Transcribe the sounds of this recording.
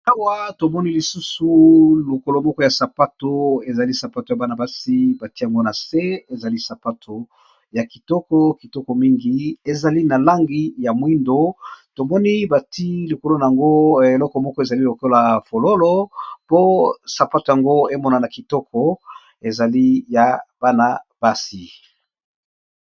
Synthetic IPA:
a˦wa˦to˨mɔ˦ni˦li˨su˦su˨lo˨ko˨lo˨mɔ˦kɔ˦ja˨sa˨pa˦to˨e˨za˨li˦sa˨pa˦to˨ja˨ba˦na˨ba˦si˦ba˨ti˦ja˨ŋɡo˦na˨se˦e˨za˨li˦sa˨pa˦tʰo˨ | ja˨ki˨tɔ˦kɔ˦ki˨tɔ˦kɔ˨mi˦ŋɡi˦e˨za˨li˦na˨la˦ŋɡi˦ja˨mwi˦ndo˦to˨mɔ˦ni˦ba˨ti˦li˨ko˦lo˦na˨a˨ŋɡo˦e˨lɔ˦kɔ˨mɔ˦kɔ˦e˨za˨li˦lo˨ko˦la˨fo˨lo˦lo˦po˦sa˨pa˦to˨ja˨ŋɡo˦e˦mɔ˦na˨na˨ki˨tɔ˦kɔ˨ | e˨za˨li˦ja˨b̥a˦na˨b̥a˦si˨

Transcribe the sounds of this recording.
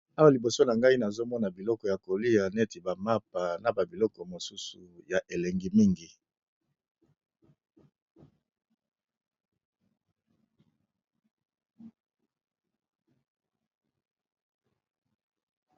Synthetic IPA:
a˦wa˨li˨bo˨so˦na˨ŋɡa˦i˦na˨zo˦mɔ˦na˨bi˨lɔ˦kɔ˨ja˨ko˨li˦a˨nɛ˦ti˨ba˨ma˦pa˨na˨ba˨bi˨lɔ˦kɔ˨mo˨su˦sṵ˨ja˨ʔe˨le˨ŋɡi˦mi˦ŋɡi˨

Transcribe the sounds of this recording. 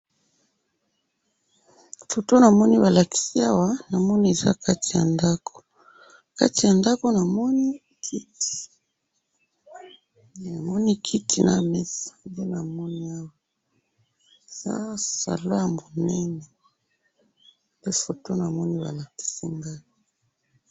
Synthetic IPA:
fo˨to˦na˨mɔ˦ni˦βa˨la˨ki̥˨si˦a˦wa˨na˨mɔ˦ni˦e˨za̰˦ka˦ti˨ja̰˨nda˦kʰo̥˨ | ka̰˦ti˨ja˨nda˦ko˦na˨mɔ˦ni˦ | kʰi˦ti̥˨ | na˨mɔ˦ni˦kʰi˦tʰi˨na̰˦mɛ˦si̥˨nde˦na˨mɔ˦ni˦a˦wa˨ | e˨za̰˦sa̰˨la˦ja˨mo˨nɛ˦nɛ˨ | pe˦fo˨to˦na˨mɔ˦ni˦βa̰˨la˨ki̥˨si˦ŋɡa˦

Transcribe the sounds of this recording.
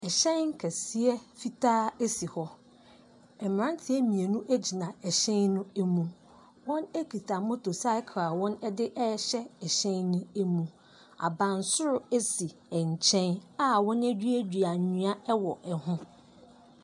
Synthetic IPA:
ɛ˨ɕɛ̃˦nŋ˦kʰɛ˨si˦ɛ˦fi˦tʰaː˦e˦si˨hɔ˦ | ɛ˨m˨ɾã˦n˦tʰɪ˦ɛ˦mĩ˨e˨nũ˦ʔæ˦d͡ʑi˨nã˨ɛ˨ɕɛ̃˦nnʊ̃˦æ˦mũ˨ | wɔ̃˦næ˦kʰi˨tʰa˨mʊ̃˦tʰo˨sa˦ɪ˦kʰa˨wɔ̃˦nɛ˦dɪ˦ʔɛ˦ɕɛ˦ɛ˨ɕɛ̃˦nːʊ̃˦æ˦mũ˦ | a˨bã˨n˨sʊ˦ɾʊ˦æ˦si˨ɛ˨ɲ̩˨t͡ɕʰɛ̃˦na˦wɔ̃˦næ˦d͡ʑᶣɥæ˦di˨a˨ɲũ˨˦a˦ɛ˦wɔ˨ʔɛ˨hʊ̃˦

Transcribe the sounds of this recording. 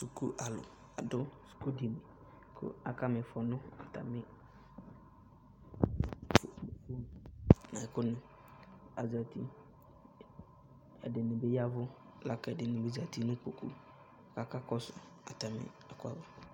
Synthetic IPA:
su˨ku˦ʔa˨lʊ̰˨ | a˨dʊ˦su̥˨ku˦di˨mi˨ | kʰʊ̰˦a˨ka˦mɪ˨fɔ˨nʊ˦a˨ta̰˨mɪ˦˨ | fu˦n˨nã˨kʊ˦nɪ˨ | a̰˨za˨ti˦ | ɛ̰˨dɪ˨nɪ˨bɪ˦ja˦vʊ˦ | la˦kɛ˨dɪ˨nɪ˨bɪ˦za˨ti˦nʊ̃˦k͡po˨kṵ˦˨ | ka˦ka˦kɔ˦sʊ̰˨ | a̰˨ta˨mɪ̰˦ | a˨kʊ˦a˦vʊ˦

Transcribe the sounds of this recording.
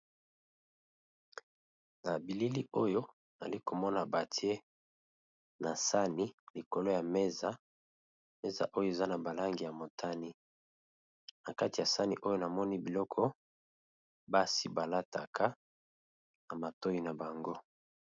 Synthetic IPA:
na˨bi˨li˦li˦o˦jo˦ | n˨a̰˨li˦ko˨mɔ˦na˨ba˨ti˦e˦ | na˨sa˦ni˦li˨ko˨lo˦ja˨me˦za˨ | me˦za̰˨ʔo˦jo˦˨e˨za˦na˨ba˨la˦ŋɡi˨ja˨mo˨tʰa˦ni˦ | na˨ka˦ti˨ja˨sa˦nḭ˨ʔo˦jo˦na˨mɔ˦ni˦bi˨lɔ˦kʰɔ˦ | ba˦si˦ba˨la˦ta˨kʰa˦ | na˨ma˨to˦ji˦na˨ba˨ŋɡo˦

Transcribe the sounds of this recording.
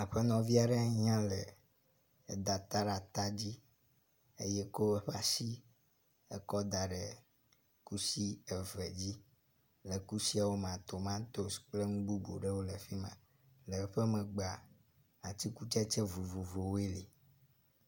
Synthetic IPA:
e˨ɸe˦nɔ̃˨vi˦a˨ɖɛ˦a˦ɲã˦le˨ | e˨d̪a˨t̪a˦ɾa˨t̪a˦d͡ʑi˦ | e˦jɛ˦ko˦e˦ɸa˦si˦ | e˦kɔ˦d̪a˨ɖe˨ | ku˦si˦ɛ˨vɛ˨d͡ʑi˦ | le˨ku˦si˦a˨wo˦m˨ã˨t̪o˨mã˦t̪o˦sk͡ple˦ŋũ˦ɡ͡bu˦bo̰˨ɖe˦wo˦le˨ɸi˦mã̰˨ | lɛ˨˦ɸe˦mɛ̃˨ɡ͡ba˨ | a˨t̪i˦ku˦t͡ʃɛ˦t͡ʃɛ˦vu˨vu˨vo˨wo˦e˦li˨

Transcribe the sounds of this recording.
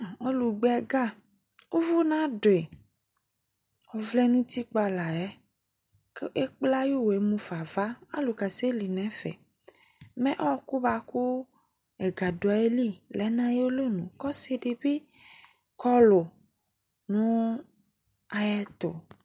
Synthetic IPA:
o˦lu˨ɡ͡bɛ˨ɡa˦ | wo˦vo˦nã˦ɖo˨e˨ | wɔ˨vlɛ˦nũ˦t̪i˦k͡pa˨la˨ɛ˦ | kʔe˦k͡pla˦jo˦we˨˦mũ˦fa˨va˦a̰˦lo˨ka˨se˦li˨nɛ̃˦fɛ̰˨ | mɛ̃˦ʔɔ˦wɔ˦ku˦ba˨ko˦ | ɛ˨ɡa˨do˨a˨˦e˦li˦lɛ˨˦nã˦jo˦lo˦nũ˨kɔ˦se˦ɖe˨be˦ | kɔ˦lo˨ | nũ˦ | a˨jɛ˦t̪o̰˨

